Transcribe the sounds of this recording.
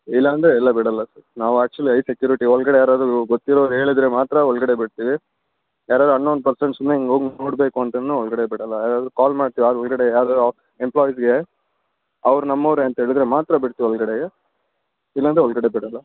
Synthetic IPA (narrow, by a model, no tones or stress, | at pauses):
ilːɐːnd̪ɾeɛlːɐbiɽɐlːɐsɐɾnaːʋuæːk̚t͡ʃuɐlːiɐjsekjuːɾiʈiɔɭɡɐɽejaːɾaːd̪ɾuɡot̪ːiɾoːɾɦe̞ːɭid̪ɾe̞maːt̪ɾɐɔɭɡɐɽebiɽt̪iːʋi | jaːɾaːd̪ɦɐnːond̪upɐɾseɳʈsumːeiŋɡoːɡnoːɽbe̞ːkuɐnt̪ɐnːuɔɭɡɐɽebiɽɐlːɐjaːɾaːd̪ɾukaːlmaːɽt̪iːʋiaːd̪uɔɭɡɐɽejaːɾad̪ | emplɔːjis̬ɡe̞ | ɐʋɾunɐmːɐʋɾeɐnt̪ɐɦeːɭid̪ɾe̞maːt̪ɾɐbiɽt̪iiɔɭɡɐɽeje | ilːɐnd̪ɾeɔɭɡɐɽebiɽɐlːɐ